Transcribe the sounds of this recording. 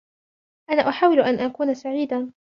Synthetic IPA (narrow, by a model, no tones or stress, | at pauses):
ʔanaːʔʊħaːwɪlʔanʔakuːnasaʕiːd̪a